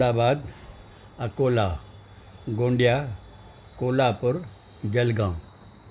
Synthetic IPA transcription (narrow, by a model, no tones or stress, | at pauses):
aːbaːd̪ | ɐkoːla | ɡõːɳɖijaː | koːlaːpʊɾ | d͡ʒɐlɡãː